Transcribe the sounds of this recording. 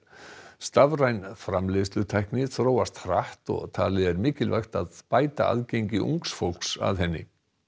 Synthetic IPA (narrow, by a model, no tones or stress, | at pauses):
st̪avrajnfɾamlest̪ʏt̪ʰajhknɪθɾoːwast̪r̥aht̪ɔ̰ɣt̪ʰa̰ːlɪðɛɾmɪːcɪlvajxt̪aðpaːjt̪aʔa̰ðcejɲcɪʔṵŋksfowl̥ksa̰ðɦɛnːɪ̰